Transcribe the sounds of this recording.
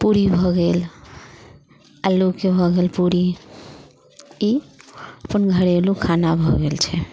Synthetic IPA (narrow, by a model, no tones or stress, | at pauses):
puɾibʱɔɡel | alukebʱɔɡelpuɾi | iəpənɡʱəɾelukʰanabʱɔɡelt͡ʃʰɛ